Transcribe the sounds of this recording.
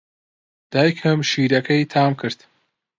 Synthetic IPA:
d̪̥aːjkʰɐmʃiːɾɐkʰɐjt̪ʰaːmkʰɨɾd̪

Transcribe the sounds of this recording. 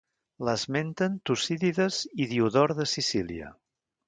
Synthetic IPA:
ləzment̪ənt̪usiðiðəziðiuðɔɾðəsisiliə̰

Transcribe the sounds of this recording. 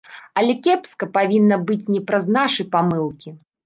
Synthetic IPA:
ɐlʲɛkʲɛpskɐpavʲinːɐbɨt͡sʲnʲɛpɾɐznaʂɐjpamɨlˠkʲi

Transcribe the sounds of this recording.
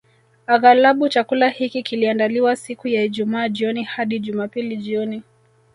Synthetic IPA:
aɣalaɓut͡ʃakulahikikiliandaliwasikujaiʄumaːʄiɔnihaɗiʄumaːpiliʄiɔni

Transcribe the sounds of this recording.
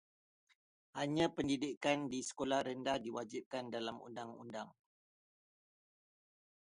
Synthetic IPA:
haɲãpəndidikandisə̥kolahɾəndahdiwad͡ʒip̚kandalamṵndaŋṵndaŋ

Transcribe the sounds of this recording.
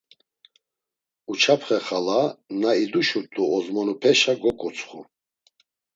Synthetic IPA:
ut͡ʃʰapʰχɛχalanaid̪uʃut̪ʼuɔzmɔnupʰɛʃaɡɔkʼɔt͡sʰʼχu

